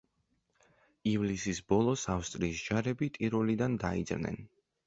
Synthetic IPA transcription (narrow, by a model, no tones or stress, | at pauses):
ivlisisbɔlˠɔsafst̪ʼɾiːsd͡ʒaɾɛbit̪ʼiɾɔlid̪and̪aḭd̪zɾnɛ̰n